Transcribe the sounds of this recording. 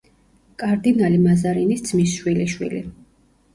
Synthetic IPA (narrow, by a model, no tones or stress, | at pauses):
kʼaɾd̪inalimazaɾinisd̪zmisʃwiliʃwḭlḭ